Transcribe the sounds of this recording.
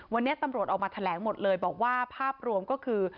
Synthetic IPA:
wa˧nːi˦˥ɐt̪a˧mɾu˨˩ət̪̚ʔaː˨˩maː˧t̪ʰa˧lɛː˩˦ŋmo˨˩t̪̚lɤː˧jbɔː˨˩k̚waː˥˩pʰaː˥˩p̚ɾu˧əmkɔː˥˩kʰɯː˧

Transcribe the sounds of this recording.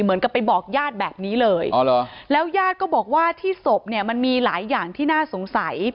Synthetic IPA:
mɯ˨˩˦ənka˨˩pːa˧jbɔː˨˩k̚jaː˥˩t̪̚bɛː˨˩p̚niː˦˥lɤː˧jɔː˧˩lo˧lɛː˦˥wjaː˥˩t̪̚kɔː˥˩bɔː˨˩k̚waː˥˩t̪ʰiː˥˩so˨˩p̚ni˥˩ma˧nmiː˧laː˩˦jːaː˨˩ŋt̪ʰiː˥˩naː˥˩so˩˦ŋsa˩˦j

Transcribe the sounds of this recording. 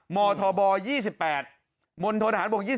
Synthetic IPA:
mɔː˧t̪ʰɔː˧bɔː˧jiː˥˩si˨˩pːɛː˨˩t̪̚ | mo˧nt̪ʰoː˧naː˩˦nbo˨˩k̚jiː˥˩

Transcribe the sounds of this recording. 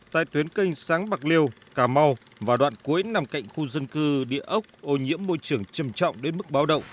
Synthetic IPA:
t̪a̰ː˧˨jt̪wi˨˦ənkə˧jŋ̟saː˨˦ŋɓa˨˩k̚li˧əw | kaː˧˩ma˧w | vaː˨˩ɗwa̰ː˧˨nku˨˦əjna˧˨˩mka̰˧˨jŋ̟xu˧zə˧nkɨ˧ɗḭ˧˨əʔə˦˥wk͡p̚ʔo˧ɲḭ˧˥əmːo˧jt͡ɕɨ˧˩əŋt͡ɕə˧˩mt͡ɕɔ̰˧˨wŋ͡mɗe˨˦nmɨ˦˥k̚ɓaː˨˦wɗə̰˧˨wŋ͡m

